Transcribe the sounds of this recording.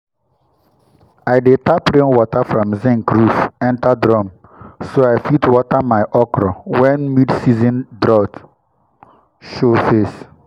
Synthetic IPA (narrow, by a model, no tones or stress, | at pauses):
aɪdetapɹẽnwɔtafɹɔ̃mzɛ̃ŋkɾusɛ̃ntadɾɔ̃m | soajfitwɔtamaɪʔɔkɾɔwɛ̃nmidsizĩndɾɔt | ʃofes